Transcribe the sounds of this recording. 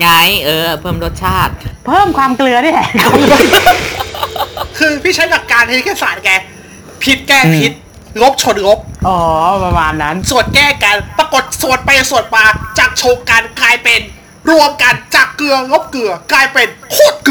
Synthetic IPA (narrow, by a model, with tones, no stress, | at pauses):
ŋa˦˥jʔɤː˧pʰɤː˥˩mɾo˦˥t̪̚t͡ɕʰaː˥˩t̪̚pʰɤː˥˩mkʰwaː˧mklɯ˧ɐnɯ˥˩ɛ˨˩kʰɔ˧˩ŋ˥ | kʰɯː˧pʰiː˥˩a˦˥jka˨˩p̚kaː˧nhʰe˧˥˦kʰɛː˥˩saː˨˩t̪̚kɛː˧ | pʰi˦˥t̪̚kɛː˥˩pʰi˦t̪̚ | ɣo˦˥p̚t͡ɕʰo˧nɾo˦˥p̚ʔɔː˨˩˦pa˧maː˧nːa˦˥nsu˨˩ət̪̚kɛː˥˩ka˧npɾa˧ko˨˩t̪̚su˨˩ət̪̚pa˧jsu˨˩ət̪̚maː˧t͡ɕaː˨˩k̚t͡ɕʰo˧ŋka˧nklaː˧jpe˧n | ɾu˧əmka˧nt͡ɕaː˨˩klɯ˧ɐɣo˦˥p̚kɯ˨˩ɐklaː˧jpe˧nkʰoː˥˩t̪̚k